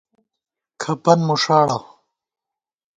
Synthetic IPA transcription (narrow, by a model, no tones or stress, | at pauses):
kʰɐpɐnmuʂaːɽa